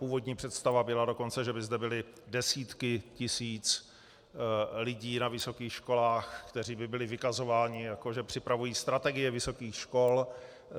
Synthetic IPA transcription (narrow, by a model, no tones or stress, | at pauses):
puːvo̞dɲiːpr̝̥ɛt̪st̪avabɪlado̞ko̞nt͡sɛʒɛbɪzdɛbɪlɪ | dɛsiːt̪kɪcɪsiːt͡s | lɪɟiːnavɪso̞kiːxʃko̞laːxkt̪ɛr̝iːbɪbɪlɪvɪkazo̞vaːɲɪjako̞ʒɛpr̝̥ɪpɾavujiːst̪ɾat̪ɛɡɪjɛvɪso̞kiːxʃko̞l